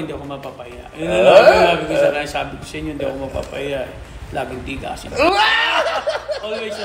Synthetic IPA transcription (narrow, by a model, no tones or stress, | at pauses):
ɪnd̪iʔɐkomɐɡ̚papɐja̰jʊŋnɐnaɡnaːbɪkosɐɾaɪsaːbɪkosɐʔɪɲoɪnd̪iʔɐ̰komɐɡ̚pa̰pɐjaʔ | laːɡɪŋt̪iːɡa̰sɪ | ʔolwejs